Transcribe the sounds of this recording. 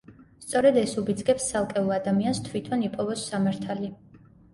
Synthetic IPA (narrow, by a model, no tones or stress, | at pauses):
st̪sʼɔɾɛd̪ɛsubid̪zɡɛpst̪sʰalˠkʼɛulˠad̪amianst̪ʰwit̪ʰɔnipʼɔvɔsːamaɾt̪ʰali